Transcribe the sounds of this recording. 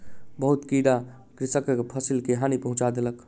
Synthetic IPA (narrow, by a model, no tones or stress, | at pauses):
bəɦut̪kiɽa | kɾisəkpʰəsilkeɦanipəɦũt͡ʃad̪elək